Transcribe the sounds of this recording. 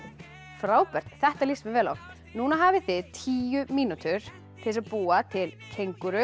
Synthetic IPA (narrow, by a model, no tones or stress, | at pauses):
fɾaːwpɛr̥t̪θɛht̪alismɪvɛːla̰wxt̪ | nuːnaɦaːvɪθɪðt̪ʰiːjʏmiːnut̪ʏɾ̥ | t̪ʰɪlɪsaðpuːat̪ʰɪlkʰejŋkʏɾʏ